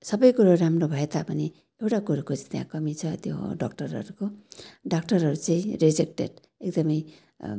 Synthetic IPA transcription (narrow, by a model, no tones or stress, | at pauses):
sʌbʌjkuɾaɾamrobʱʌet̪apʌni | ewʈakuɾakot͡sit̪jã̰kʌmit͡sʰʌt̪jo̰ɖak̚ʈʌrʌ̰ɾukoɖakʈʌrɦʌɾut͡saĩɾed͡zek̚ʈḛɖ | ek̚d̪ʌmʌj